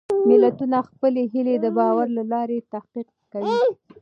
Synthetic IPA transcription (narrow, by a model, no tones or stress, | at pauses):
mɪlat̪unaxpəleɦiled̪əbɑwaɾlalɑɾet̪ahqiq̚kawi